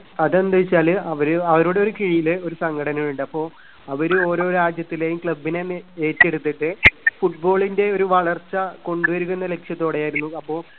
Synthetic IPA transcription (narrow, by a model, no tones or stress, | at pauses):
ɐðɐnd̪ʱɐʋit͡ɕːaːlɐʋɐɾɨɐʋɐɾuːɽe̞o̞ɾukiɻijilo̞ɾusɐŋɡɐɽɐnɐmuɳɖɨɐpːo̞ː | ɐʋɐɾuo̞ːɾo̞ːɾaːd͡ʑjɐt̪ːilejumkɭɐbːineeːtːe̞ɽut̪ːɐʈːɨfuʈ̚bo̞ːɭinde̞o̞ɾuʋɐɭɐrt͡ɕːɐko̞ɳɖuʋɐɾukːunːɐle̞kʂjɐt̪ːo̞ːɽejaːjiɾunːuɐpːo̞ː